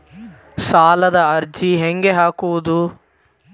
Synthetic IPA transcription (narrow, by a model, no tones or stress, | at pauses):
saːlɐd̪ɐɐɾd͡ʒiɦeŋɡeɦaːkuʋud̪u